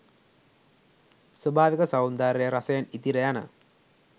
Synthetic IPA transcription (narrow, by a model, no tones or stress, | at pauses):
swɐbʱaːʋikɐsawnd̪aːɾejɐɾɐsɐjɐnit̪iɾɐjanə̰